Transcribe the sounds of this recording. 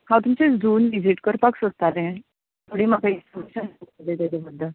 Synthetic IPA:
hãwt̪umt͡sed͡zuːnʋid͡ziʈkəɾpaksost̪at̪ɛ̃ | t̪ʰoɽiːmakaisəməɕənəd̪et̪ad̪abəd̪ʱːə

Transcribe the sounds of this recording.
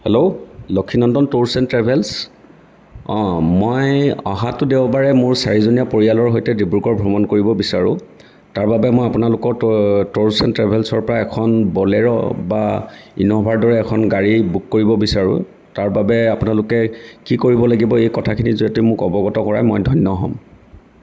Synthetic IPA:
hɛlolokʰːinɔndɔntoɹsɛntɹɛbʱɛls | ɔ̃mojɔ̰ɦatʊdeʊbaɹɛmʊɹsaɹizonijapoɹijalɔɹɦojtɛdibɹukɔɹbʱɹɔmɔnkoɹibɔbisaɹʊ̰̃ | taɹbabɛmɔjapʊnalʊkɔɹtoɹsɛntɹɛbʱɛlsɔɹpɔɹaɛkʰɔnbɔlɛɹɔ̰bainɔbʱaɹdɔɹɛːkʰɔnɡaɹibukːoɹibɔbisaɹʊ̰̃ | taɹbabɛapʊnalʊkɛkikoɹibɔlaɡibɔejkɔtʰakʰinizuɛtʊmʊkɔbɔɡɔtɔkɔɹajmɔjdʱɔjnːɔɦɔ̰m

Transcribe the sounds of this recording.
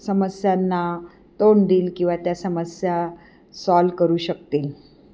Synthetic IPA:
səməsjanːa | t̪oɳd̪iːlkĩw̃ʋat̪jasəməsja | sɔlkəɾuːɕək̚t̪iːl

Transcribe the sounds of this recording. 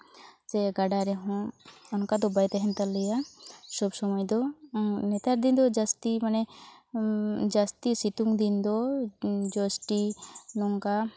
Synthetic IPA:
sɛɡaɖaɾɛɦɔ̃ɔnkad̪ɔbajt̪ɛɦɛnt̪alɛjasɔbsɔmɔjd̪ɔnɛt̪aɾd̪ind̪ɔd͡ʒast̪imanɛ | d͡ʒast̪isit̪uŋd̪ind̪ɔ | d͡ʒɔsʈinɔŋka

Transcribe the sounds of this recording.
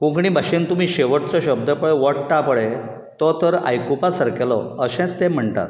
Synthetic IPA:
kũkɳiːbʱaɕent̪umiːɕeʋəʈt͡sɔɕəb̚d̪əpəɭɛʋəʈʈapəɭɛ | t̪ɔt̪əɾa̰jkupasəɾkɛlɔəɕɛ̃t͡st̪em̤əɳt̪a̰t̪̚

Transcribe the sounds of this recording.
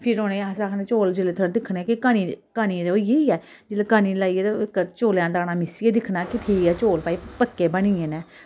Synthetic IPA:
pʰɪɾoːneːaːsaːkneːt͡ʃoːld͡ʒɪleːt̪ʰoɾd̪ɪkʰnekɪkaːniːkaːniːɾoːjeːiɛː | d͡ʒɪleːkaːniːlaːiːet̪ekt͡ʃoːljãːd̪aːnaːmɪsieːd̪ɪkʰnaːkɪt̪ʰiɛːt͡ʃoːlpaːiːpəkːeːbəniːẽːneː

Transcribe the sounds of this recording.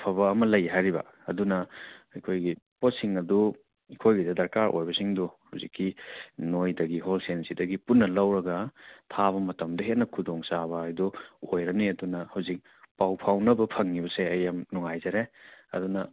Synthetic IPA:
pʰɐβɐːmɐlɐjɦajɾibɐ̰ | ɐ̰dunɐɐjkʰojɡipot̚siŋɐdu | ikʰojɡidɐdɐɾkaɾʔo̰jbɐsiŋduhɐ̰wzikʰːinojdɐɡiɦolsensidɐɡipunːɐlɐwɾɐɡɐtʰaβɐmɐtɐmdɐɦet̚nɐkʰudoŋsaβɐːjduojɾɐniɐdunɐhɐwzik̚ | pawpʰawnɐbɐpʰɐŋːibɐseɐjːamnuŋajzɐɾeɐ̰dunɐ

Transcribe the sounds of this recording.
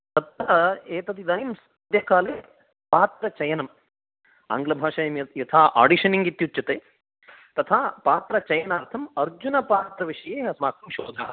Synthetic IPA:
t̪ɐt̪ːɐeːt̪ɐt̪id̪ɐːjims | ɐd̪jɐkaːleː | paːt̪ɾɐt͡ʃɐjɐnɐm | a̰ːŋɡlɐbʱaːʃɐːjɐmjɐjɐt̪ʰaːʔa̰ːɖiʃɐniŋɡit̪jut͡ʃːɐt̪eː | t̪ɐt̪ʰaːpaːt̪ɾɐt͡ʃɐjɐnaːɾt̪ʰɐmɐɾd͡ʒunɐpaːt̪ɾɐʋiʂɐjeːɦɐsmaːkɐmʃoːd̪ʱɐ̰ːɦɐ

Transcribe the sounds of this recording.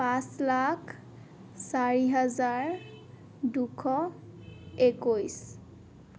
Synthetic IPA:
pãslakʰ | saɹiɦazaɹ | dukʰɔ | ekojs

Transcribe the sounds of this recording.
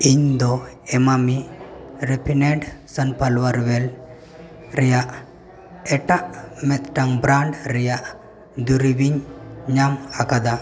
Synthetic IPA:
iɲd̪ɔ | ɛmamiɾepʰinɛɳɖsənpalwəɾwɛl | ɾɛjaʔ | ɛʈaʔmɛt̪̚ʈaŋbɾaɳɖɾɛjaʔ | d̪uɾibiɲɲamakad̪a

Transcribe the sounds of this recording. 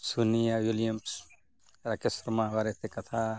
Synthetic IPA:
sunijawiljɐms | ɾakɪsɾmaʋaɾet̪ʰekɐt̪ʰa

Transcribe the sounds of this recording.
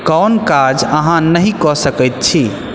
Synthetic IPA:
kɔnkad͡ʒəɦãnəɦĩkɔsəkəjt̪̚t͡ʃʰi

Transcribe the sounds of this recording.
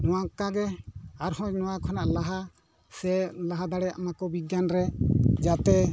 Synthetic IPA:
nɔwakaɡɛaɾhɔ̃ɲnɔwakʰɔnaʔlaɦa | sɛlaɦad̪aɽɛaa̰makɔbiɡjanɾɛd͡ʒat̪ɛ

